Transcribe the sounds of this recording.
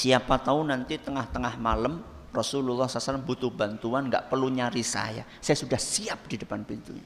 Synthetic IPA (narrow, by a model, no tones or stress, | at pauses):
siapat̪aʊnant̪it̪əŋaht̪əŋahmaləm | rɔsululːɑhsalsalambut̪ʊhbant̪uanŋɡa̰ʔpərluɲaɾisa̰ja̰sajasudahsiap̚d̥idəpanpint̪ṵɲa